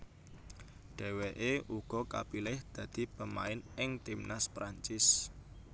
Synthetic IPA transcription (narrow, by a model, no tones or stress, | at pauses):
ɖ̥ɛ̤weʔeʔuɡ̥ɔ̤ka̰pilɪhd̪̥ä̤d̪̥i̤b̥əmaɪnɪŋt̪imnaspɾaɲt͡ʃɪs